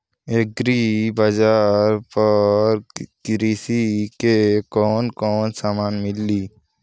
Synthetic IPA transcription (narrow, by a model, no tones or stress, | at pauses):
eɡɾibad͡ʒaːɾpɐɾkɾiːsikekɔːnkɔːnsaːmaːnmɪlːiː